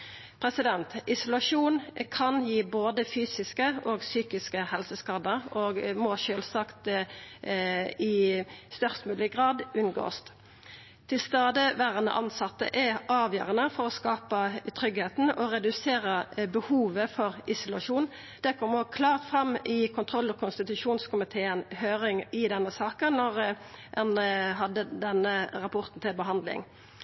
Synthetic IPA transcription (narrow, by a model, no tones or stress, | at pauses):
pʰʁɛsɪd̪ɛnt̪ʔɪsʊlɑʂuːnkʰɑnjiːboːd̪əfyːsɪskəʔoːɡsyːkɪskəhɛlsəskɑːd̪əʁoːɡmɔʃøːlsɑkt̪ | ɪst̪œʁst̪mʉːlɪɡʁɑːd̪ʉnɡo̰ːst̪ | t̪ʰɪlst̪ɑːd̪əʋæːʁənə̰ʔɑnsɑt̪ːə̰ʔɛɑːʋjø̰ːʁənəfɔʁɔskɑːpət̪ʰʁʏɡheːt̪n̩ɔʁɛd̪ʉseːʁəbəhuːʋəfɔʁɪsʊlɑʃuːn | d̪̥ɛkʰɔmːəɔːkʰlɑːʁt̪fʁɑmːɪkʰʊnt̪ʰʁɔlːɔkʰʊnst̪ɪt̪ʉʂuːnskʊmɪt̪ʰeːənhøːʁɪŋɪd̪ɛnːəsɑːkənnɔʁ | ɛnɦɑd̪ːəd̪ɛnːəʁɑpʰʊʁt̪n̩t̪ʰɪlbəɦɑnd̪lɪ̰ŋ